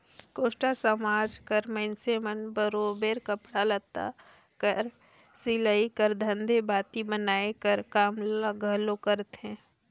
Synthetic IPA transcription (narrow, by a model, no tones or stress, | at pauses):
koːʃʈasəmaːd͡ʒkəɾmə̃nsemənbəɾoːbeːɾkəpɽalət̪a̰ | kəɾ | sɪləikəɾd̪ʱə̃nd̪ʱebaːt̪ibənaːekəɾkaːmlaɡʱəɦlokəɾt̪ɦɛ̃ː